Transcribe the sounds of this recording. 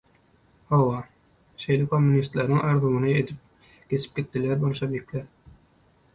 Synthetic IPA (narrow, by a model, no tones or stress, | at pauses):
hɑwɑ | ʃejlɪkʰomːunist̪læɾnɪŋʔæɾðomɨnɨet̪ʰɪp̚ | kʲʰesʰɪ̥p̚kʲet̪ʰːɪlæɾbonʃɑbekʲlæɾ